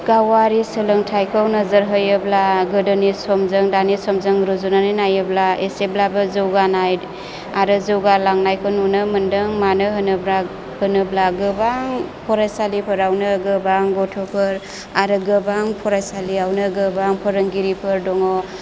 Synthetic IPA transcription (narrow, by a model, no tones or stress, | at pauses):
ɡ̥awaɾisəlɯŋtʰajkʰɔwnəzəɾɦəjɯblaɡɯdɯnisɔmzɯŋdanisɔmzɯŋɾuzunaninajɯblaeseblabɯzɯwɡanaj | aɾɯzɯwɡalaŋnajkʰɔnunɯməndɯŋmanɯɦɯnɯbla | hɯnɯblaɡɯbaŋpʰɔɾajsalipʰɯɾawnɯɡɯbaŋɡɔtʰɔpʰɯɾ | aɾɯɡɯbaŋpʰɔɾajsaliawnɯɡɯbaŋpʰɔɾɯŋɡiɾipʰɯɾdɔŋɔ